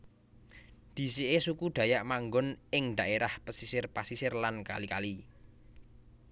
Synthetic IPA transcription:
d̪̥i̤siʔesukud̪̥ä̤jaʔmaŋɡʊnɪŋd̪a̤ʔeɾahpəsisɪrpasisɪrlanka̰lika̰li

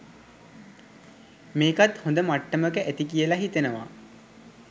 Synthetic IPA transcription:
meːkat̪hõnd̪əmaʈːəməkəʔæt̪ikijəlaɦit̪ənəʋa̰

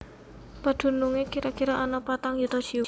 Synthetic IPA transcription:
pad̪̥ṳnuŋekiɾakiɾɔʔanɔpat̪aŋjut̪ɔ̥d͡ʒ̥i

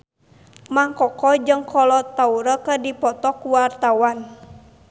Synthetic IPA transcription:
maŋkɔkɔd͡ʒɨŋkʰɔlɔt̪auɾəkədipɔt̪ɔkuwart̪awan

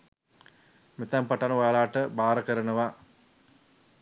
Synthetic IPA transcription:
mit̪ampaʈanuʋalaːʈəbaːɾəkəɾənəʋa

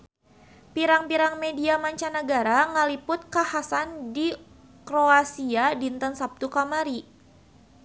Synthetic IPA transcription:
piɾaŋpiɾaŋmediamaɲt͡ʃanəɡaɾaŋəlipʊt̪̚kahasandi | kɾoasiadint̪ənsap̚t̪ukamaɾi

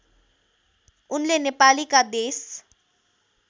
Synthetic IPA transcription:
ʊnlenepaːlikad̪eːs

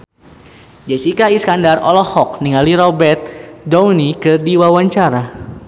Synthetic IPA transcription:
d͡ʒɛsikaiskandarɔ̰lɔhɔk̚niŋaliɾɔbɛrt̪̚downikɨrdiwawaɲt͡ʃaɾa

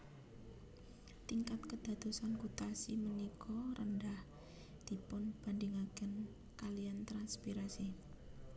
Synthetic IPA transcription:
t̪iŋkat̪kəd̪̥a̤d̪̥o̤sankut̪asimənikʰɔɾəndah | d̪̥i̤pʊnb̥andiŋakən | kaliant̪ɾanspiɾasi

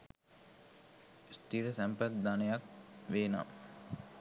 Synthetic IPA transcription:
st̪iɾəsæmpət̪̚d̪anəjak̚ʋeːna̰

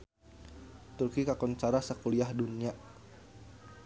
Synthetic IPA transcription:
t̪urkikakɔnt͡ʃaɾasakuliahdunia

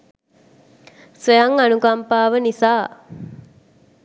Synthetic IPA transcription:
sʋejaŋanuɡampaːʋənisaː

